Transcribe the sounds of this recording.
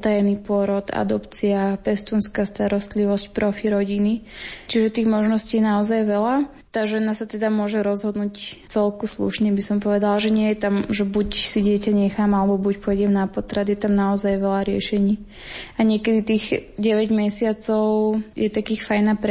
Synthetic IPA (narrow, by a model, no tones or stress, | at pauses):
t̪ajɛniːpʊɔɾɔd̪a̰d̪ɔpt͡siapɛst̪uːnskaːst̪aɾɔst̪liʋɔscpɾʔɔfiɾɔɟinit͡ʃiʒɛt̪iːɣmɔʒnɔsciːnaɔzajʋɛla | t̪aːʒɛnasat̪ɛd̪amʊɔʒɛɾɔzɦɔd̪nuːct͡sɛlkuslṵʃɲɛbisɔmpɔʋɛd̪alʒɛɲɪɛjɛt̪amʒɛbucsiɟɪɛcaɲɛxaːmalɛbɔbucpɔjɟɛmnapɔt̪ɾad̪iɛt̪amnaɔzajʋɛlaɾɪɛ̰ʃɛɲiː | aɲɪɛkɛd̪it̪iːɣɟɛʋɛɟmɛsɪat͡sɔʊjɛt̪akiːxfajnapɾ